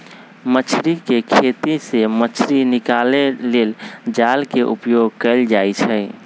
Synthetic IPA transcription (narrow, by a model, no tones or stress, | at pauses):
mət͡ʃʰɾikekʰet̪isemət͡ʃʰɾinikaleleld͡ʒalkeʔṵpjoɡ̚kɛɪld͡ʒajt͡ʃʰɛ